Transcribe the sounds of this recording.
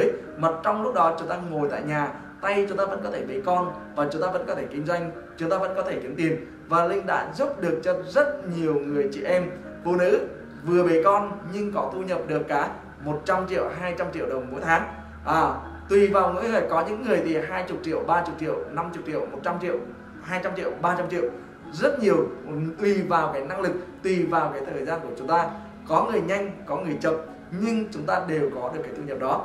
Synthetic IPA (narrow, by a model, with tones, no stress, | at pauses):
ə˨˦j | mə˨˩t̚t͡ɕɔ˧wŋ͡mlʊ˦˥k͡p̚ɗɔ˨˦t͡ɕʊ˨˦ŋ͡mt̪aː˧ŋo˨˩jt̪a̰ː˧˨jɲaː˨˩ | t̪a˧jt͡ɕʊ˨˦ŋ͡mt̪aː˧ə̰˧˥nkɔ˨˦t̪ʰe˧˩ɓe˨˦kɔ˧nvaː˨˩t͡ɕʊ˨˦ŋ͡mt̪aː˧və̰˧˥nkɔ˨˦t̪ʰe˧˩kï˨˦ŋ̟zwa˧jŋ̟ | t͡ɕʊ˨˦ŋ͡mt̪aː˧və̰˧˥nkɔ˨˦t̪ʰe˧˩ki˨˦əmt̪i˨˩əm | vaː˨˩lï˧ŋ̟ɗa̰ː˧˥zu˦˥p̚ɗɨ˨˩ək̚t͡ɕɔ˧zə˦˥t̚ɲi˨˩əwŋɨ˨˩əjt͡ɕḭ˧˨ʔɛ˧m | fṵ˧˨nɨ̰˧˥ | vɨ˨˩əɓe˨˦kɔ˧nɲɨ˧ŋkɔ˨˦t̪u˧ɲə˨˩p̚ɗɨ˨˩əkːaː˨˩ | mo˨˩t̚t͡ɕa˧mt͡ɕḭ˧˨əwɦaː˧jt͡ɕa˧mt͡ɕḭ˧˨əwɗə˨˩wŋ͡mmo̰˧˥jt̪ʰaː˨˦ŋ | ʔaː˨˩ | t̪wi˨˩vaː˨˩wŋṵ˧˥j̪əː˨˩jkɔ˨˦ɲɨ̰˧˥ŋːɨ˨˩əjt̪ʰi˨˩ɦaː˧jt͡ɕʊ˨˩k͡p̚t͡ɕḭ˧˨əwɓaː˧t͡ɕʊ˨˩k͡p̚t͡ɕḭ˧˨əwna˧mt͡ɕʊ˨˩k͡p̚t͡ɕḭ˧˨əwmo˨˩t̚t͡ɕa˧mt͡ɕḭ˧˨ə˨w | haː˧jt͡ɕa˧mt͡ɕḭ˧˨əwɓaː˧t͡ɕa˧mt͡ɕḭ˧˨ə˨w | zə˦˥t̚ɲi˨˩əwt̪wi˨˩vaː˨˩wkaː˨˦jna˧ŋlɨ˨˩k̚t̪wi˨˩vaː˨˩wkaː˨˦jt̪ʰəː˨˩jzaː˧nku˧˩ət͡ɕʊ˨˦ŋ͡mt̪aː˧ | kɔ˨˦ŋɨ˨˩əjɲa˧jŋ̟kɔ˨˦ŋɨ˨˩əjt͡ɕə˨p̚ | ɲɨ˧ŋt͡ɕʊ˨˦ŋ͡mt̪aː˧ɗe˨˩wkɔ˨˦ɗɨ˨˩kːaː˨˦jt̪u˧ɲə˨˩p̚ɗɔ˨˦